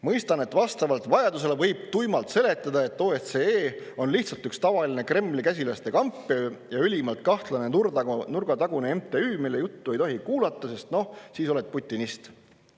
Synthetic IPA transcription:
mɤjst̪ɑne̞t̪vɑst̪ɑvɑlt̪vɑjɑd̪us̬e̞levɤjb̥̚t̪ujmɑlt̪se̞le̞t̪ˑːɑd̪ɑe̞t̪ːoːet̪seeːo̞nliht̪sɑlt̪ykst̪ɑvɑline̞kre̞mːlikæs̬ʲilɑst̪e̞kɑmpːˑejɑylʲimɑlt̪̚kɑht̪lɑnennurɡ̥ɑt̪ɑɡ̥uneemt̪e̞yːmilːe̞jut̪ːue̞jt̪o̞ɦikuːlɑt̪ːˑɑse̞st̪no̞hsiːso̞let̪̚put̪ʲˑːinist̪

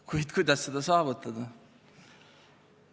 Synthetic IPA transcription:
kujt̪kʰujd̪ɑsːed̪ɑsɑːʋut̪ːˑɑd̪ɑ

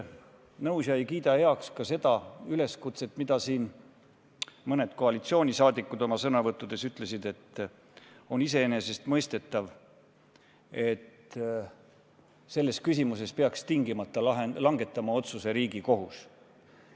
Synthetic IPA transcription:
nɤusjɑejkiːd̪ɑhe̞ɑkskɑse̞d̪̥ɑyle̞skut̪se̞t̪ːˑmid̪̥ɑsiːn | mɤne̞d̪̥ko̞ɑlit̪sio̞ːnʲisɑːd̪̥ikːˑud̪o̞mɑsɤnɑvɤt̪ːˑud̪e̞syt̪ˑle̞sid̪e̞t̪ː | o̞nise̞ene̞se̞st̪mɤjst̪e̞t̪ːˑɑv | e̞t̪ | se̞lːe̞skys̬ʲimuse̞speɑkst̪iŋɡimɑt̪ːɑlɑɦenlɑŋɡe̞t̪ːˑɑmɑo̞t̪suse̞ɾiːɡiko̞ɦus

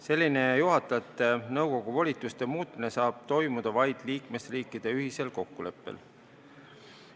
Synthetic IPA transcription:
se̞lʲːine̞juɦɑt̪ːˑɑt̪ːˑenɤwko̞ɡ̥uvolʲit̪ːˑust̪e̞muːt̪̚mine̞sɑːb̥t̪o̞jmud̪̥ɑvɑjd̪̥liːkme̞sriːkˑːid̪̥e̞yɦise̞lko̞kːule̞pːḛl

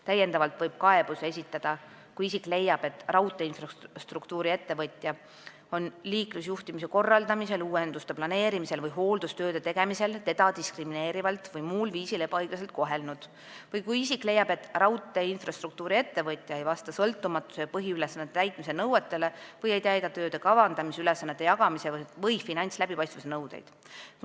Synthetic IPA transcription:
t̪æjːe̞nd̪ɑvɑlt̪vɤjb̥̚kɑe̞b̥use̞s̬ʲit̪ːˑɑd̪̥ɑ | kujisikˑle̞jːɑb̥e̞t̪ːrɑwt̪ːˑe̞infrɑst̪rukt̪uːɾie̞t̪ːe̞vɤt̪ʲˑjɑ | o̞nliːklusjuht̪imis̬e̞ko̞rːɑld̪ɑmise̞luːend̪ust̪e̞plɑne̞ːɾimise̞lvɤjɦo̞ːld̪̥ust̪ø̞ːd̪et̪e̞ɡ̥e̞mise̞lt̪e̞d̪ɑt̪iskrimine̞ːɾivɑlt̪vɤjmuːlviːsile̞b̥ɑɑjɡ̥lɑse̞lt̪̚ko̞ɦe̞lnud̪̥ | vɤjkujisikle̞jːɑb̥e̞t̪ːˑrɑwt̪ːˑe̞infrɑst̪ɾuk̚t̪uːɾie̞t̪ːe̞vɤt̪ʲːˑjɑejvɑst̪ɑsɤlt̪ːˑumɑt̪ˑːu̥se̞jɑpɤɦiylesɑnːet̪et̪æjt̪ˑmisenɤwet̪ːˑe̞le̞vɤje̞jt̪æjd̪ɑt̪ø̞ːd̪e̞kɑvɑnd̪̥ɑmisylesːɑnːet̪ːˑe̞jɑɡ̥ɑmisevvɤjfinɑnʲt̪slæbipɑjst̪vɑsenɤwd̪̥ḛjd̪̥

